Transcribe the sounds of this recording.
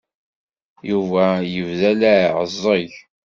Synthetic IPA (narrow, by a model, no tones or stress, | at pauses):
juvæjəvðælæʕəzˤːəʝ